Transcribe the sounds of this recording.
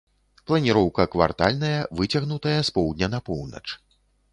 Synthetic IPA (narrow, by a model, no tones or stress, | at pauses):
plˠɐnʲiɾɔwkɐkva̰rt̪a̰lʲn̪ɐjɐvɨt͡sʲɐɣnut̪ɐjɐspɔwd̪ʲnʲɐnɐpɔwnɐ̰t͡ʂ